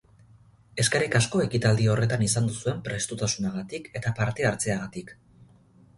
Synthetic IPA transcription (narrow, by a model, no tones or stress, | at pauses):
e̞skaɾikasko̞e̞kit̪ald̪io̞re̞t̪anisand̪usue̞mpɾe̞st̪ut̪asunaɣ̞at̪ike̞t̪apaɾt̪e̞aɾt͡se̞aɣat̪ik